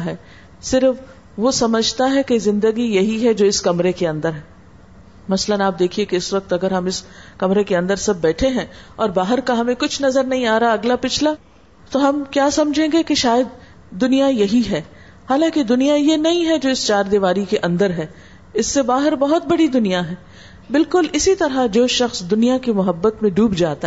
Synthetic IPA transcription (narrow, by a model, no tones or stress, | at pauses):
ɦɛː | sɪɾf | ʋosɐməd͡ʒʱt̪aɦɛkezɪ̃nd̪əɡijɐɦiɦɛd͡ʒoːɪskɐmɾekeɐ̃nd̪əɾɦɛː | mɐslənaːp̚d̪eːkʰiekeɪsʋɐk̚t̪ɐɡəɾɦɐmɪskɐmɾekeɐ̃nd̪əɾsɐb̚ːɛːʈʰeɦɛ̃ɔːɾbaːɦɪɾkaɦɐmẽkʊt͡ʃʰnɐzəɾnɐɦĩaːɾaɦaɐɡlapɪt͡ʃʰla | t̪oɦɐmkjaːsɐmd͡ʒʱẽːɡekeʃaːjəd̪̚ː | ʊnijajɐɦiɦɛː | haːlãːked̪ʊnijajenɐɦĩɦɛd͡ʒoːɪst͡ʃaːɾd̪ɪʋaːɾikeʔɐ̃nd̪əɾɦɛː | ɪsːebaːɦɪɾbɐɦɔt̪̚bɐɽid̪ʊnijaɦɛː | bɪlkʊlɪsit̪ɐɾad͡ʒoːʃɐxsd̪ʊnijakimʊɦəbːət̪mẽɖuːbd͡ʒaːt̪a